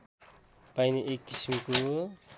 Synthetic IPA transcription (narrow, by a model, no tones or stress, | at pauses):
pajniʔekːisimko